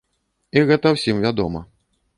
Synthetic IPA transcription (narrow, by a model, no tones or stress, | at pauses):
iɣɛt̪ɐwsʲimvʲad̪ɔmɐ̰